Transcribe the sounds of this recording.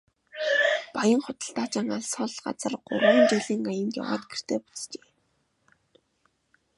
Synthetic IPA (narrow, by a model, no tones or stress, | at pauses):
pajə̆ŋχʊt̪ə̆ɬt̪aːt͡ɕăːŋaɮsɔɮɢa̰t͡sə̆rɢʊ̰rwiːnt͡ɕiɮiːŋajə̆nt̪ja̰wa̰ːt̪̚ɡer̥t̪ʰeːpu̥t͡st͡ɕe̥ː